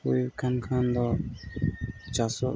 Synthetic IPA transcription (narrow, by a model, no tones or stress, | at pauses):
ujkʰankʰand̪ɔ | t͡ʃasɔ